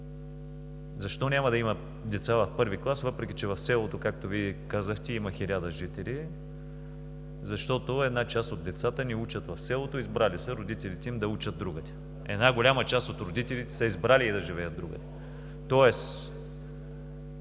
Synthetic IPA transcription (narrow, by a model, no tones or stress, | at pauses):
zɐʃt̪ɔnʲamɐd̪ɐimə | d̪ɛt̪savɐfpɤɾviklˠasvɤpɾɛk̟ʲit͡ʃɛvɐfsɛlˠot̪okak̚t̪oviɛkazəxt̪ɛimɐxilʲad̪əʒit̪ɛli | zɐʃt̪ɔt̪oɛd̪nat͡ʃast̪od̪ːɛt̪sat̪əniut͡ʃət̪vɐfsɛlˠot̪oizbɾalisəɾod̪it̪ɛlit̪ɛimd̪ɐut͡ʃəd̪̚d̪ɾuɡət̪ɛ̥ | ɛ̰d̪naɡolʲamət͡ʃast̪ot̪ɾod̪it̪ɛlit̪ɛ̥səizbɾaliːd̪ɐʒivɛjət̪̚d̪ɾuɡə̰t̪ɛ̥ | t̪ɔɛs